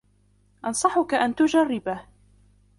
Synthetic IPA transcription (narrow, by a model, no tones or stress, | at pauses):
ʔɑnsˤɑħʊkaʔant̪ʊd͡ʒarːɪbah